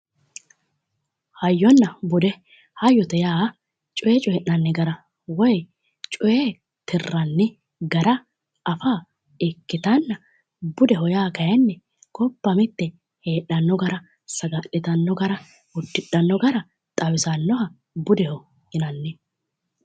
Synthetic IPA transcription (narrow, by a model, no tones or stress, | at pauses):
hɐjːɔnːɐbʊd̪ɛ | hɐjɔt̪ɛjaː | t͡ʃʼɔjet͡ʃʼɔjɛʔɐnːɛɡɐɾɐ | wɔj | t͡ʃʼɔjeː | t̪ʰɪrːɐnːɛ | ɡɐɾɐ | ʔɐfaː | ɛkːɪt̪ɐnːɐ | bʊd̪ɛhɔjaːkɐjɐnːɛ | kʰɔpːɐmɪt̪ːɛ | heːᶑɐnːɔɡɐɾɐ | sɐɡaːʔːɪt̪ɐnːɔɡɐɾɐ | ʊd̪ːɪᶑɐnːɔɡɐɾɐ | t̪ʼɐwɪsɐnːɔɦɐ | bʊd̪ɛhɔ | ɪnɐnːɛ